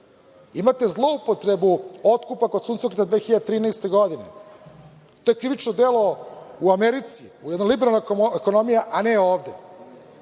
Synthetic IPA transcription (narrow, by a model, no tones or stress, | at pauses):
imat̪ezlˠo̞upot̪ɾebuot̪kupakod̪suːnsokɾit̪ad̪ʋeːxiʎad̪et̪ɾiːnajst̪e̞ɡod̪inḛ | t̪ojekɾiʋit͡ʃnod̪elo̞uameɾit̪siujɛd̪ojlibeɾalnoekono̞mijaʔaneoːʋd̪e